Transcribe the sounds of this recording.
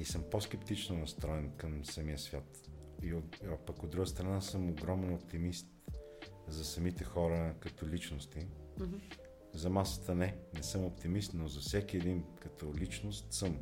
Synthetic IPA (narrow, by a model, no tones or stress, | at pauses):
isɤmposkɛpt̪it͡ʃnonɐst̪ɾɔɛnkəmsɐmijəsvʲjat̪iopɐkod̪ɾuɡəst̪ɾɐnasɤmoɡɾɔmɛnopt̪imist̪ | zɐsɐmit̪ɛxɔɾəkɐt̪ɔlit͡ʃnost̪i | zɐmasə̥t̪ənɛnɛsɤmopt̪imist̪nozɐfsɛkiɛd̪inkɐt̪ɔlit͡ʃnost̪sɤm